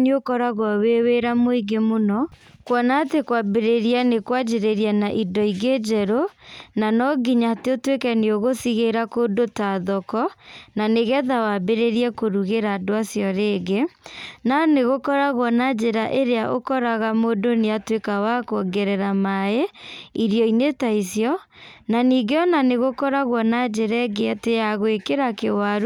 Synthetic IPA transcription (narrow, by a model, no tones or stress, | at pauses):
neokɔɾaɣwaweweɾamoiɡemonɔkwanatekwabeɾeɾianekwad͡ʒeɾeɾianaʔidɔiɣed͡ʒɛɾonanɔɡiɲateotwekɛneoɣosiɣeɾakodotaðɔkɔnaneɣɛðawabeɾeɾiɛkoɾuɣeɾaːdoasjɔɾeːɡenaneɣokɔɾaɣwɔnad͡ʒeɾaʔeɾeaʔo̰kɔɾaɣamodoneatwekawakɔɡɛɾɛɾamaeiɾijɔinetaisjɔ | naniːɡeɔnaneɣokɔɾaɣwɔnad͡ʒeɾɛɡeatejaɣoekeɾakewaɾu